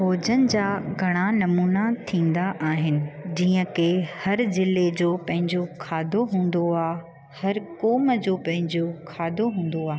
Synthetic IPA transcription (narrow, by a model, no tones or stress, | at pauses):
ɦoːd͡ʑənɪ̆d͡ʑaːɡʱɐɽ̃anɐmuːnat̪ʰĩːn̆d̪aʔaːɦɪnɪ̆d͡ʑiːə̃kehɐɾzɪled͡ʑoːpɐ̃ɦɪ̃ɲd͡ʑokʰaːd̪ʱoɦũːn̆d̪oaː | hɐɾkoːməd͡ʑoːpɐ̃ɦɪ̃ɲd͡ʑokʰaːd̪ʱoɦũːn̆d̪oaːɦ